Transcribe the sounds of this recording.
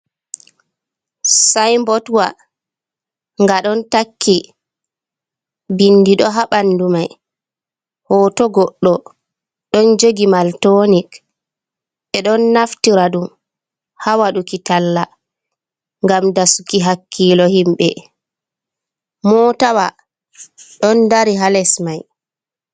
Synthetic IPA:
sajmbɔtwa | ŋɡaɗɔntakʰːi | binːdiɗɔɦaɓanːdumaj | hɔːtɔɡɔɗːɔ | ɗɔnd͡ʒoɡimaltonik | ɛɗɔnːaftiɾaɗum | hawaɗukitalːa | ŋɡamdasukiɦakʰːiːlɔhimɓɛ̰ | mɔtawa | ɗɔndaɾiɦalɛsmaj

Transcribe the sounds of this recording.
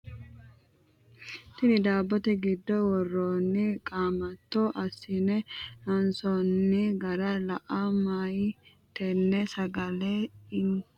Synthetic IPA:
t̪ɪnɪd̪aːbːɔt̪ɛɡɪd̪ːɔwɔrːoːnːɪkʼaːmɐt̪ːoːʔɐsːɪnɛnɐnsɔnːɪɡɐɾalɐʔamaːji | t̪ɛnːɛsɐɡɐleːɪn

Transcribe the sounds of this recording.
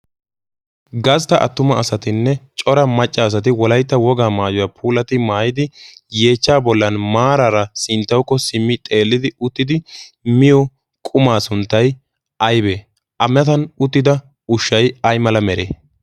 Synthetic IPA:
ɡɐst̪ɐʔɐ̰t̪ːʊmɐːsɐt̪ɪnːɛt͡ʃʼɔɾɐmɐt͡ʃʼːɐːs̬ɐt̪̬ɪwɔlɐjt̪ːɐwɔɡaːmaːjɔjaːpʰuːlɐt̪ɪmaːjɪd̪ɪjeːt͡ʃːaːbɔlːɐnmaːɾaɾɐsɪnt̪ːɐwkːɔsɪmːɪt̪ʼe̞ːlːɪd̪ɪʊt̪ːɪd̪ɪmɪjɔ | kʼʊmaːsʊnt̪ːɐj | ʔɐjbeː | ʔɐmɛt̪ɐnʊt̪ːɪd̪ɐ | ʊʃːɐjɐjmɐlɐmɛɾḛː

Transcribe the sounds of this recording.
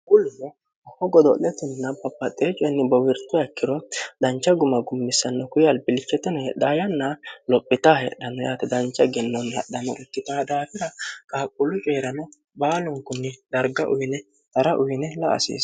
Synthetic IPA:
ɡʊlːʊnɔ | hɔɡɔd̪ɔlɛt̪ɪnːɐpɐpːɐt̪ʼːeːt͡ʃʼːɔjnːɪbɐwɪɾt̪ːʊɐkːɪɾɔd̪ɐnt͡ʃːɐɡʊmɐɡʊmːɪsːɐnːɔkʊjɐlbɪlɪt͡ʃːɛt̪ːɛnɔhɛɗaːjɐnːɐlɔpʼːɪt̪ahɛ̰ɗɐnɔjaːt̪ɐd̪ɐnt͡ʃːɐɡɛnːɔnhɐ̰ɗːɐnɔ̰ʔɛt̪ːɪt̪aːd̪aːfɪɾɐkʼaːkʼːʊlʊt͡ʃʼe̞ːɾɐnɔ | baːlʊŋkʊnːɪd̪̥ɐɾɡɐʔʊjnɛ | t̪ɐɾɐʔʊjnɛlɐ̰ʔɐ̰sḛːs

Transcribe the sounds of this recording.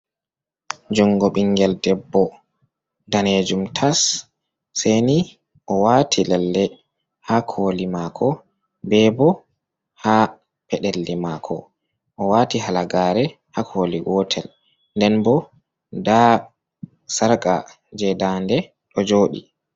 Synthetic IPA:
d͡ʒuŋɡɔɓiŋɡɛldɛbːɔ | daned͡ʒumtʰasː | ejni | ʔɔwatʰilɛlːɛ | hakʰoːlimakʰɔ | bɛbɔ | ha | pɛɗɛlːimakʰɔ̰ | ʔɔwaːtiɦalaɡaːɾɛ | hakʰoːliwɔtʰɛl | ndɛnbɔ | da | saɾkʼa̰ | d͡ʒɛdandɛ | ɗɔd͡ʒoːɗḭ

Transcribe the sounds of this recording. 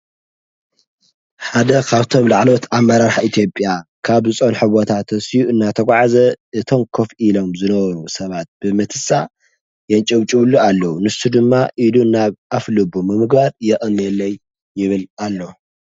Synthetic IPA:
ħad̪ɐkʰaβt̪ʰo̞mlaʕlo̞t̪ʰamːɐɾaɾħait̪ʰijo̞pʼːjakʰaβzɨt͡sʼonħɨβot̪ʰat̪ʰɐsijuɨnːat̪ʰɐɡʷʼʕazɐʔɨt̪ʰo̞mkʰofilo̞mzɨnɐβɐɾusɐβat̪̚b̥ɨmɐt̪ʰɨsa | jɛnt͡ʃʼɐβt͡ʃʼɨβlːualːɐwunɨst̪ud̪ɨmːaʔilunaβʔaflɨbumɨmɨɡbaɾjɛʔʼɨnɛlːɐjː | ɪβɨlalːo̞

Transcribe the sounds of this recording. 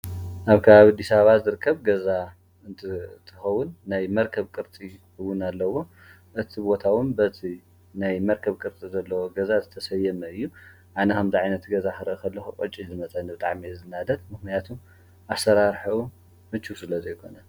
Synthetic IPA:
ʔaβkʰɐβaβad̪isaβazɨɾɨkʰːɐβɡɐza | ɨnt̪ʰɨt̪ʰɨxɐwʊnːajmɐɾkʰɐβkʼɨɾt͡sʼi | ɨwʊnalːɐwo̞ | ʔɨt̪ʰibo̞t̪ʰawʊnbɐt̪ʰi | najmɐɾkʰɐβkʼɨɾt͡s̪ʼizɐlːɐwoɡɐzazɨt̪ʰɐsɐjːɐmɐɨjːu | ʔanɐkʰɐmziʕajnɐt̪ɡɐzakɐɾɨʔɨkʰɐlːɐxukʼot͡ʃʼːizɨmɐt͡sʼɐnbɨt̪ʼaʕmiɨzɨnad̪ɐt̪mɨxnijat̪ʰum | ʔasɐɾaɾħiu | mɨt͡ʃːusɨlɐzɐjkʰo̞nɐ

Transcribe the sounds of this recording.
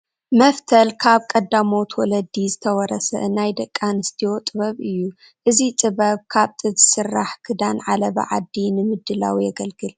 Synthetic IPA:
mɐft̪ʰɐlkʰaβkʼɐd̪ːamot̪ʰwɔlɐd̪izɨt̪ʰɐwɔɾɐsɐ̰ɨnajd̪ɐkʼːanɨst̪ʰiot̪ʼɨβɐβɨjːu | ʔɨzit̪ʼɨβɐβkʰaβt̪ʼɨzɨsɨrːaħkʰɨd̪anʕalɐβɐ̰ʕa̰d̪ːinɨmɨd̪ːɨla̰wijɐɡɐlɡɨl

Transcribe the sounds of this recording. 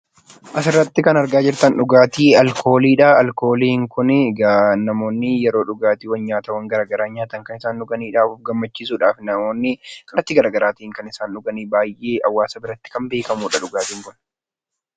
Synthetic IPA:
ʔɐsɪrːɐt̪ːɪkɐnɐɾɡaːd͡ʒɪɾt̪ɐnᶑʊɡaːt̪iːɐlko̞ːliːᶑɐɐlko̞ːliːɪŋkʊnɡnɐmo̞ːnːɪjɛɾo̞ːᶑʊɡaːt̪iːwɐnɲaːt̪ɐwɐŋɡɐɾaːɡɐɾaːɲaːt̪ɐŋkɐnɪsaːnᶑʊɡɐniːᶑaːfʊfɡɐmːɐt͡ʃːiːs̬uːᶑaːfnɐmo̞ːnːɪkʰɐnɐt̪ːɪɡɐɾaːɡɐɾaːt̪iːŋkɐnɪsaːnᶑʊɡɐniːbaːjʔeːʔɐwːaːsɐbɪɾɐt̪ːɪ̥kɐmbe̞ːkɐmuːᶑɐᶑʊɡaːt̪iːŋkʊn

